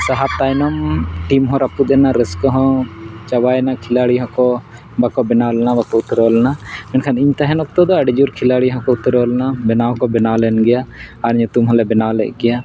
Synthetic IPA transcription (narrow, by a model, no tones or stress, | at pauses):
saɦat̪ajnɔmʈimɦɔ̃ɾapud̪ɛnaɾɛskɔɦɔ̃t͡ʃawajnakʰilaɽiɦɔ̃kɔ | bakɔbɛnalnabakɔut̪ɾɔlnamɛnkʰaniɲt̪aɦɛ̃nɔk̚t̪ɔd̪ɔɐɖd͡ʒuɾkʰilaɽiɦɔ̃kɔut̪ɾɔlnabɛnaɦɔ̃kɔbɛnalɛnɡɛjaːɾɲut̪umɦɔ̃lɛbɛnalɛ̰ʔ̚ɡɛja